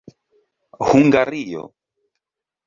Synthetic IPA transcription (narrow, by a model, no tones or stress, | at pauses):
huŋɡaɾijɔ̰